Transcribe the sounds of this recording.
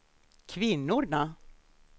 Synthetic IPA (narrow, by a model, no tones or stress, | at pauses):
kʰvɪnːʊɾna